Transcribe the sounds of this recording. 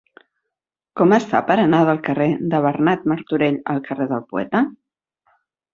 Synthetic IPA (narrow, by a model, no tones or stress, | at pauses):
kɔməst̪a̰pəɾənað̞əlˠkəred̪əβ̞ərnat̪̚məɾt̪uɾeʎə̰lˠkəreðəlˠpuɛ̰t̪ə